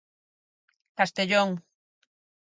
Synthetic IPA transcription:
kast̪eʎoŋ

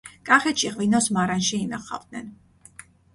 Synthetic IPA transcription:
kʼaχɛt̪ʃiʁvinɔsmaɾanʃiːnaχa̰vd̪̚nɛn

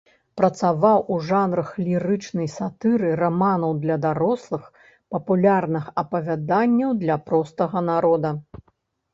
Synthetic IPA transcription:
pɾɐt̪savawuʐanɾɐxlʲiɾɨt͡ʂnɐjsat̪ɨɾɨramanɐwd̪lʲɐd̪aɾɔslˠɨx | pɐpulʲarnɨxɐpɐvʲad̪anʲːɐwd̪lʲɐpɾɔst̪ɐɣɐnaɾɔd̪ɐ

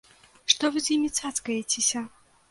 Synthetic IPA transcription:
ʂt̪ɔvɨzʲjimʲit̪sat̪skɐjet͡sʲesʲɐ

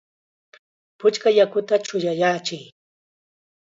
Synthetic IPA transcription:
pʊt͡ʃkajakʊt̪at͡ʃʊjajaːt͡ʃɪj

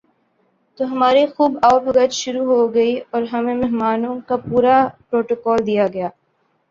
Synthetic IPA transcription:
t̪oɦɐmaːɾixuːbaːʊpɐɡəd͡ʒʃʊɾuɦoɡɐiɔːɾɦɐmẽmɛɦmaːnõkapuːɾapɾoːʈokɔːld̪ijaɡɐjaː

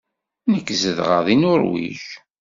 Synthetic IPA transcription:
nəkːzəðʁə̰ðˤinʊɾwḭç

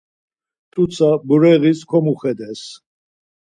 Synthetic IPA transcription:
t̪ʼut̪sʰabuɾɛʁiskʰɔmuχɛd̪ɛs

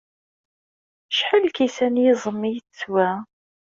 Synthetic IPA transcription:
ʃħəlkisænjɪzˤəmːijt͡sːwæ

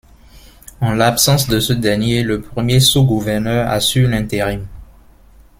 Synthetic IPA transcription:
ɑ̃lapsɑ̃sd̪əsəd̪ɛʁnjeləpχəmjesuɡuvɛʁnœʁa̰sylɛ̃t̪eʁim

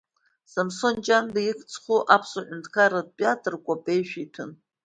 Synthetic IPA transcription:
samsond͡ʒandajikʰʼt͡sʰʼχuʔapʰsaʕʷᶣʊntʰkʰaɾad̚pʼiatʼɨrkʷʼapʼe̞jʃᶣitʰɨn

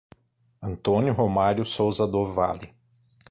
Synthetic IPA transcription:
ɐ̃nt̪õnjʊɦomaɾjʊsowzɐd̪ova̰lɪ

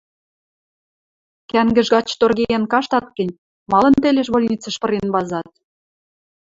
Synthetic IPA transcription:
kæŋɡə̆ʒɣɑt͡ɕt̪orɣejenkɑʃt̪ɑt̪̚kə̆nʲ | mɑlɤ̆nt̪elʲeʃβolʲnʲit͡sə̆ʃpɤ̆ɾenβɑzɑt̪̚

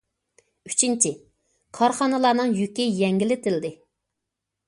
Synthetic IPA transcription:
yt͡ʃʰint͡ʃʰɪ | kʰɑɾχɑnɨlˠɑːnɨŋjykʲɪjɛŋɡʲilɪt̪ʰɪlɪd̪ɪ

